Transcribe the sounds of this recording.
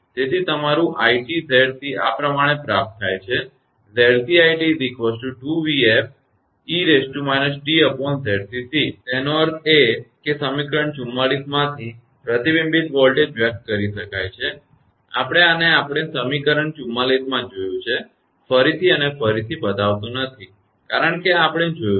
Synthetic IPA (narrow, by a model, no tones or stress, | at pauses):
t̪et̪ʰit̪əmaɾũʔaiʈizɛɽt̪ʰia̰pɾəmaɽ̃epɾap̚t̪ʰːajt͡ʃʰe | zeɽsiaiʈid̪ikʋəsʈuʈuʋief | iɾesʈumɛnəsʈiəpɔnzɛɽsisit̪ɛnoəɾt̪ʰekesəmikəɾəɳt͡ʃumːalismãt̪ʰi | pɾət̪ibĩmbit̪ʋɔlʈed͡ʒʋjək̚t̪̚kəɾiʃəkajt͡ʃʰe | a̰pəɽ̃eaneapɽ̃esəmikəɾəɳt͡ʃumːalismãd͡ʒojũt͡ʃʰe | fəɾit̪ʰiənefəɾit̪ʰibəd̪aʋt̪ũnət̪ʰi | kaɾəɳkeapɽ̃ed͡ʒojũ